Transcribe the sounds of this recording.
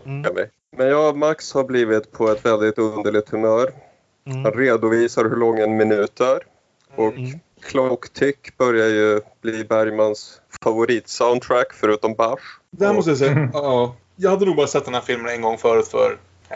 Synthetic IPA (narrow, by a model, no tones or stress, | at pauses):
amɛ̰j | mɛnjɑːmakshaɾbliːvɪt̪pʰɔɛt̪vɛld̪ɪt̪ɵnd̪əɭɪt̪ʰːɵmœːɾ | hanɾeːd̪ʊviːsaɾɦɵɭɔŋːɛnmɪnʉ̟ːt̪æɾ | ʔɔkʰː | lɔkːt̪ʰʏkːb̥œɾjajɵb̥liːbæɾjmans | favʊɾiːt̪saʊnʰɾækːfœɾʉ̟ːt̪ɔmbaʂd̪ɛæɾmɔst̪əjasɛ | jɑːɡhad̪ːənuːɡbɑːɾasɛt̪̚d̪ɛnhæːɾfɪlmənɛnɡɔŋːfœːɾʉ̟ːt̪fœ̰ːɾ